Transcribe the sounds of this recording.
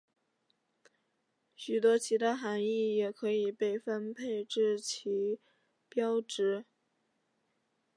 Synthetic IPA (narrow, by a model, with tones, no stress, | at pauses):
ɕy˨˩t̪wɔ˥t͡ɕʰi˧˥t̪ʰa˥xa˧˥ni˥˩jɛ˨˩kʰɤ˧˥i˨˩pe˥˩ɪfə˥npʰe˥˧ɪʈ͡ʂɻ̩˥˩t͡ɕʰi˧˥ | pjɑ˥ʊʈ͡ʂɻ̩˧˥